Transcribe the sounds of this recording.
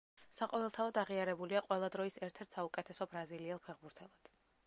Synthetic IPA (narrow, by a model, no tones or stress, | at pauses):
saqʼɔvɛlˠt̪ʰaɔd̪aʁiaɾɛbuliaqʼwɛlˠad̪ɾɔisɛɾt̪ʰɛɾt̪ʰsaukʼɛt̪ʰɛsɔbɾaziliɛlˠpʰɛʁbuɾt̪ʰɛlˠad̪̥